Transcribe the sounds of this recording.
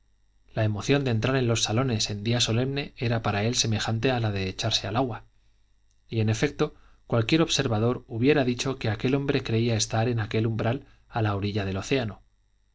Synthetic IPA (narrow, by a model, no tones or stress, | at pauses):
lae̞mo̞θjo̞nd̪e̞nt̪ɾaɾe̞nlo̞sːalo̞ne̞se̞nd̪iaso̞le̞mne̞e̞ɾapaɾae̞lse̞me̞xant̪e̞alaðe̞ːt͡ʃaɾse̞alaɣwa | ie̞ne̞fe̞k̚t̪o̞ | kwalkje̞ɾo̞βse̞ɾβaðo̞ɾuβje̞ɾaðit͡ʃo̞ke̞ake̞lo̞mbɾe̞kɾe̞iae̞st̪aɾe̞nake̞lumbɾal | alaoɾiʎað̞e̞lo̞θe̞ano̞